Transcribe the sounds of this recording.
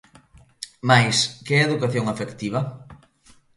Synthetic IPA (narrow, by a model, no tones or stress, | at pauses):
majskeɛeðukaθjoŋafekt̪iβ̞a